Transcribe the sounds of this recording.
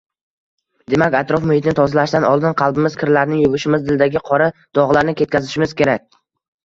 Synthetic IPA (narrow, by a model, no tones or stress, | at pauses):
d̪e̞makʲat̪ɾɒfmʊhɪt̪ʰɪnɪt̪ʰɒzlaʃd̪anɒlˠd̪ɪnqʰɑlˠbɪmɪzkʲʰɪɾlaɾnɪŋjʊvʊʃɪmɪzd̪ɪld̪aɡʲɪqʰɒɾad̪̥ɒʁlˠaɾnɪkʲʰe̞t̪̚kʲʰazɪʃɪmɪzkʲʰe̞ɾak̚ʲ